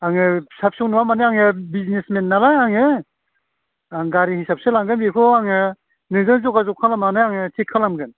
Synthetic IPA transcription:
aŋɯsap̚sɯŋnuwamanɯaŋɯbiznesmenːalajaŋɯ | aŋɡaɾihisap̚sɯlamɡɯnbikʰɯaŋɯ | nɯzɯŋzɔkazɔkʰalamanɯaŋɯtʰikʰːɯlamɡɯn

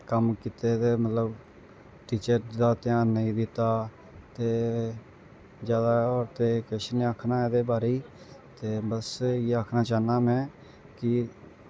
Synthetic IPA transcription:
kəmkɪt̪eːt̪eːmət̪ləb | ʈiːt͡ʃəɾd̪aːt̪ɪjãːnːəĩːd̪ɪt̪aː | t̪eː | d͡ʒjaːd̪aːɔːɾt̪eːkɛːʃəneaːkʰnaːɛːd̪eːbaːɾiː | t̪eːbəsjeːaːkʰnaːt͡ʃaːnaːmɛ̃ː | kɪ

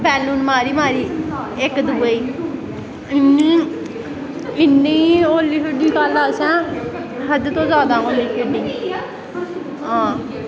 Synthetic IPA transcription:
bɛːluːnmaːɾiːmaːɾiːɪkd̪uːeiː | ɪniː | ɪnːĩːoːliːpʰɪɖɪ̃ŋkalaːsɛ̃ːɦəd͡ʒ̪t̪õːzaːd̪aːoːliːpʰeɖɪŋ | ɦãː

